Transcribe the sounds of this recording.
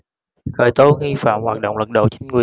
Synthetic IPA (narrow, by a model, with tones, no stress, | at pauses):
xəː˧˨˩jt̪o˧ŋi˧fa̰ː˧˨mhwaː˨˩t̚ɗo̰˧˨wŋ͡mlə˨˩t̚ɗo̰˧˨wt͡ɕi˨˦ŋ̟ŋwi˨˩